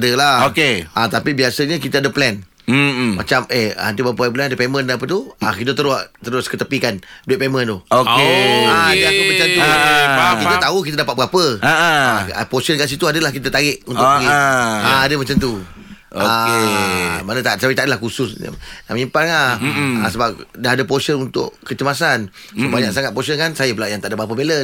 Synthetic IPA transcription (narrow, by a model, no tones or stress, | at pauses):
dəlaokeat̪apibiasəɲəkit̪aadəplɛn | ma̰t͡ʃamehant̪ibap̬əp̬lɛnadəpemə̃ndanap̬ət̪ua̰kit̪̬ət̪̬əɾʊt̪əɾʊskət̪əpikanduit̪ʔ̚pemə̃nt̪ʊokeaadəakəmãt͡ʃamt̪uakit̪at̪aukit̪adapat̪̚bapəaa̰posənkaʔs̬it̪uadalahkit̪at̪aɾɪʔunt̪ʔ | aadəmat͡ʃamt̪̬u | oaemanət̪asapit̪aʔdlahkusʊsnamimpaaasəbap̚daɦadəposənunt̪ʊ̰ʔkət͡ʃəmasan | subaɲak̚saŋat̪̚posənkansajəpəlaʔjaŋt̪aʔdəbapəbelə